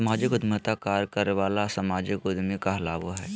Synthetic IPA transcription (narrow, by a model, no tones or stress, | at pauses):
maːd͡ʒɪkʊd̪mət̪akaːɾkəɾʋaːlasɐmaːd͡ʒɪkʊd̪ʱmekaɦla̰ːboɦɛː